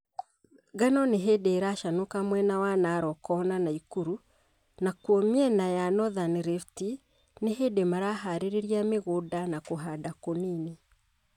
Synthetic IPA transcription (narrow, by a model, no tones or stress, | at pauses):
ɡanɔneɦedeːɾaʃanokamwɛnawanaɾɔkɔnanaikuɾu | nakwɔmiɛnajanɔðanɾefti | neɦedemaɾaːɦaɾeɾeɾiameɣodanakoɦadakonini